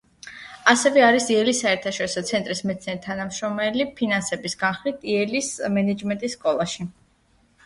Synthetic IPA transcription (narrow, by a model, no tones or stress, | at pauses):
asɛvɛaɾisiɛlisːaɛɾt̪ʰaʃɔɾisɔt̪sʰɛnt̪ʼɾismɛt̪siɛɾit̪ʰanamʃɾɔmɛlipʰinansɛbisɡanχlit̪ʰiɛlismɛnɛd͡ʒmɛnt̪ʼisːkʼɔlˠaʃi